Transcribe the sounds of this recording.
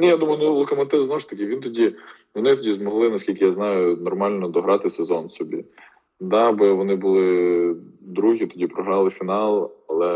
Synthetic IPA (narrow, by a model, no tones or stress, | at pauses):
nʲɛjad̪umɐjʊnʊlˠɔkɐmɐt̪ɪznɔʊʃt̪ɐkɪʋint̪ɔdʲi | ʋɔnɪt̪ɔdʲizmɔɦlˠɪnɐsʲkʲilʲkɪjaznɑjʊnɔrmɑlʲnɔd̪ɔɦɾɑt̪ɪsezɔnsɔbʲḭ | d̪ɑbɪʋɔnɪbʊlˠɪ | d̪ɾuɦʲit̪ɔdʲipɾɔɦɾɑlˠɪfʲinɑlˠɐlˠɛ